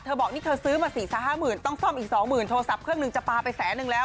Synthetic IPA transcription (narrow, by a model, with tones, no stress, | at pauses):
t̪ʰɤː˧bɔː˨˩k̚niː˥˩t̪ʰɤː˧sɯː˦˥maː˧siː˨˩˦saː˨˩˦ɦaː˥˩mɯː˨˩nt̪ɔ˥˩ŋsɔ˥˩mʔiː˨˩k̚sɔː˩˦ŋmɯː˨˩nt̪ʰoː˧sa˨˩p̚kʰɾɯ˥˩əŋnɯ˧ŋt͡ɕa˨˩paː˧pa˧jsɛː˩˦˥nɯ˧ŋlɛː˦˥w